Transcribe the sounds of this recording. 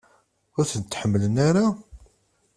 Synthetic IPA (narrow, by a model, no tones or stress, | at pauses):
ʊɾθənt̪ːħəmːələnaɾa